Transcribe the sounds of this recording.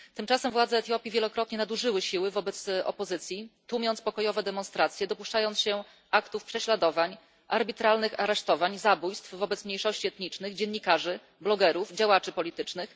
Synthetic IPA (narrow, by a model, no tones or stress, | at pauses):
t̪ɘmt͡ʂasɛmvwad̪zɛːt̪ʲjɔpʲivʲjɛlɔkɾɔt̪̚ɲɛnad̪uʐɘwɘɕiwɘvɔbɛt̪sɔ̰pɔzɘt̪sʲjit̪umʲjɔnt̪spɔkɔjɔvɛd̪ɛmɔnst̪ɾat̪sʲjɛd̪ɔpuʂt͡ʂajɔnt̪ɕɛ | akt̪ufpʂɛɕlad̪ɔvaɲ | ʔaɾbʲit̪ɾalnɘxaɾɛʂt̪ɔvaɲzabujst̪fvɔbɛt̪smɲejʂɔɕt͡ɕiɛt̪ɲit͡ʂnɘɣd͡ʑɛnːikaʐɘ | blɔɡɛɾuvd͡ʑawat͡ʂɘpɔlʲit̪ɘt͡ʂnɘx